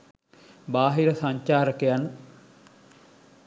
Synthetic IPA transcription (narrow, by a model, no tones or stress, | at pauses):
baːɦiɾəsɐɲt͡ʃaːɾəkejan